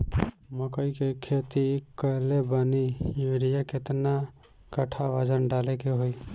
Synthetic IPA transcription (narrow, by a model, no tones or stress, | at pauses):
məkəikekʰeːt̪ikəɦlebənijuɾijakɪt̪na | kəʈʰaʋəd͡ʒənɖaːlekeɦoi